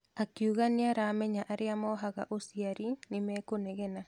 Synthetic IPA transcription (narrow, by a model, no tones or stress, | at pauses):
akiuɣaneaɾamɛɲaʔaɾeamɔɦaɣa̰ʔosiaɾinimɛkonɛɣɛna